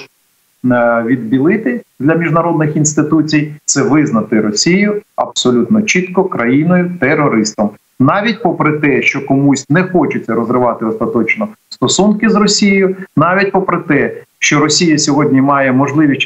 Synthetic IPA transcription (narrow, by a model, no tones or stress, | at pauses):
ʋʲid̪bʲilˠɪt̪ɪd̪lʲɐmʲiʒnɐɾɔd̪nɪxinst̪ɪt̪ut͡sʲijt̪sɛʋɪznɐt̪ɪɾɔsʲijʊɐ̰bsɔlʲut̪nɔt͡ʃit̪kɔkɾɐjinɔjʊt̪eɾɔɾɪst̪ɐm | nɑʋʲitʲpɔpɾɪt̪ɛʃt͡ʃɔkɔmusʲnɛxɔt͡ʃɪt͡sʲːɐɾɔzɾɪʋɑt̪ɪɔst̪ɐt̪ɔt͡ʃnɔst̪ɔsunkɪzrɔsʲijɪjʊnɑʋʲitʲpɔpɾɪt̪ɛʃt͡ʃɔɾɔsʲijɐsʲɔɦɔdʲnʲimɑjɛmɔʒlˠɪʋʲiʃʲ